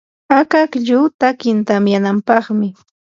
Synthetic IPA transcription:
akakʎʊt̪akɪnt̪amjanampɑχmɪ

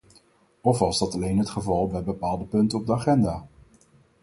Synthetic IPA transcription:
ɔfʋɑzdɑtɑlejnɦətχəvɑlˠbɛjbəpaːlˠdəpɵntənɔb̚dəaχɛndaː

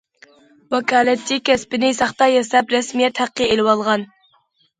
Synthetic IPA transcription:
wɑkʰʲɑːlɛt̪ːɪkʲʰɛspɪnɪsɑχt̪ɑjɛsɛpɾɛsmijɛt̪hæqːəelɪwɑlˠʁɑn

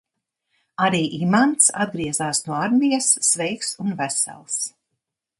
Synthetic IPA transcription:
aɾiːʔimant̪sa̰d̪̚ɡɾiɛzaːsnuɔaɾmijɐsːvɛjksunvæsɛ̰lˠs

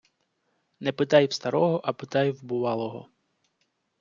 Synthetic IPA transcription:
nɛpɪt̪ɑjwst̪ɐɾɔɦɔʔɐpɪt̪ɑjwbʊʋɑlˠɔɦɔ̰

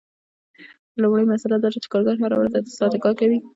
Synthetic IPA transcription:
lʊmɽəjmasalad̪ɑt͡ʃet͡ʃɪ̥kɑɾɡɑɾɦaɾa̰waɾt̪at̪ɪ̥sɑd̪ɪkɑkawi

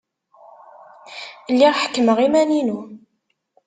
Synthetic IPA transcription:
lːiʁħə̥kːməʁimæninu

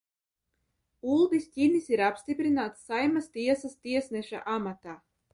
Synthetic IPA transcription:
ulˠd̪isʲtʲinisiɾapst̪ipɾinaːt̪sːajmast̪iɛsast̪iɛsnɛʃa̰ʔamat̪aː

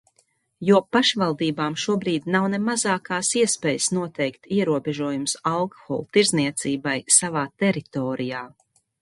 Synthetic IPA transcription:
juɔpaʃvalˠd̪iːbaːmʃuɔbɾiːd̪nawnemazaːkaːsiɛspɛːjəsnuɔt̪ɛjkt̪iɛɾuɔbeʒuɔjumsalˠkxɔ̰lˠt̪iɾzniɛt̪siːbajsavaːt̪ɛɾit̪ɔːɾijaː

